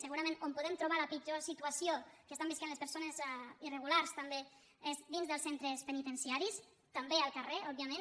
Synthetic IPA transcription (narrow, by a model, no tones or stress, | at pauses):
səɣuɾamẽnompuðɛmt̪ɾuβ̞aləpid͡ʒosit̪uasiokəst̪ambiskanlespəɾsonezirəɣulaɾst̪ambe | ezd̪inzðəlsent̪ɾəspənit̪ənsiaɾis | t̪ambeəlˠkəreɔb̚jəmẽn